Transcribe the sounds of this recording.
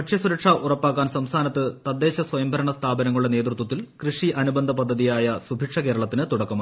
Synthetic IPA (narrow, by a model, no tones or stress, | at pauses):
pɐʈʂɐsuɾɐʈʂaʔurɐpːaːkːaːnsɐmst̪ʰaːnɐt̪ːɨt̪ɐd̪ːe̞ːɕɐsʋɐjɐmbʱɐɾɐɳɐst̪ʰaːbɐnɐŋːɭuɭːeneːd̪rut̪wɐt̪ːilkrɨʂiʔɐnubɐnd̪ʱɐpɐd̪ʱːɐðijaːjɐsubʱiʈʂɐke̞ːɾɐɭɐt̪ːinɨt̪uɽɐkːɐma